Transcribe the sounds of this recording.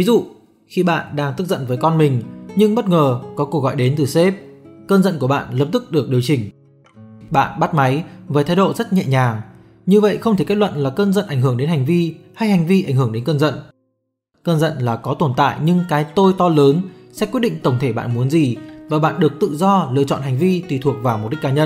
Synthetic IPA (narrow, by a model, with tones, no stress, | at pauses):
vi˨˦zṵ˧˨ | xi˧ɓa̰ː˧˨nɗaː˧ŋt̪ɨ˦˥k̚zə̰˧˨nvəː˨˦jkɔ˧nmï˨˩ŋ̟ɲɨ˧ŋɓə˦˥t̚ŋəː˨˩kɔ˨˦ku˧ək̚ɣɔ̰˧˨jɗe˨˦nt̪ɨ˨˩se˦˥p̚kəː˧nzə̰˧˨nku˧˩əɓa̰ː˧˨nləː˨˩p̚t̪ɨ˦˥k̚ɗɨ˨˩ək̚ɗi˨˩əwt͡ɕï˨˩ŋ̟ | ɓa̰ː˧˨nɓa˦˥t̚ma˨˦jvəː˨˦jt̪ʰa˨˧jɗo̰˧˨zə˦˥t̚ɲɛ̰˧˨ɲaː˨˩ŋ | ɲɨ˧və̰˧˨jxə˧wt̪ʰi˧˩ka˦˥lwə̰˧˨nlaː˨˩kəː˧nzə̰˧˨nʔa˧˩ŋhɨ˧˩əŋɗe˨˦nha˨˩jŋ̟vi˧ha˧jha˨˩jŋ̟vi˧ʔa˧˩jŋ̟hɨ˧˩əŋɗe˨˦nkəː˧nzə̰˧˨n | kəː˧nzə̰˧˨nlaː˨˩kɔ˨˦t̪o˧˩nt̪a̰ː˧˨jɲɨ˧ŋkaː˨˦jt̪o˧jt̪ɔ˧ləː˨˦nsɛ̰˧˥kwt̚ɗḭ˧˨ŋ̟t̪ə˧˩wŋ͡mt̪ʰe˧˩ɓa̰ː˧˨nmu˨˦ənzi˨˩vaː˨˩ɓa̰ː˧˨nɗɨ˨˩ək̚t̪ɨ̰˧˨zɔ˧lɨ̰˧˨t͡ɕɔ̰˧˨nha˨˩ŋ̟vi˧t̪i˨˩t̪ʰu˨˩ək̚vaː˨˩wmo˨˩t̚ɗi˦˥kːaː˨˦ɲə˧n